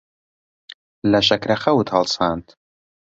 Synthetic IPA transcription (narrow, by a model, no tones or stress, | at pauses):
lɐʃɐkɾɐχɐwut̪hɐlˠsaːnt̪